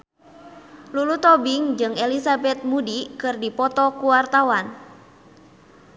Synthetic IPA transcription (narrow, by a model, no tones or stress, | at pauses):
lulut̪ɔbiŋd͡ʒɨŋelisabɛt̪̚mudikɨrdipɔt̪ɔkuwart̪awan